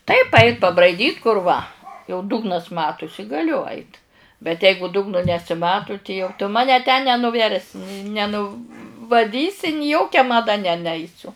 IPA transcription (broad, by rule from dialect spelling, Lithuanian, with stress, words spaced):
tɐɪp ˈɐɪt pɐbrɐɪˈdʲiːt kʊr ˈʋɐ jɛʊ ˈdʊɡnɐs ˈmɑːtʊsʲɪ ɡɐˈlʲʊ ˈɐɪt bʲɛt ˈɛɪɡʊ ˈdʊɡnʊ nʲɛsʲɪˈmɑːtʊ tʲɪ jɛʊ tʊ ˈmɑːnʲɛ tʲɛn nʲɛnʊˈʋʲɛrʲsʲɪ nʲɛ nʊ ʋɐˈdʲiːsʲɪ nʲɪ ˈjoːkʲɛ mɐˈdɐ nʲɛ ˈnʲɛɪsʲʊ